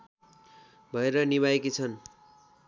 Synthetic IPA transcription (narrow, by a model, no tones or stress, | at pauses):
bʱʌeɾʌniβaekit͡sʰʌn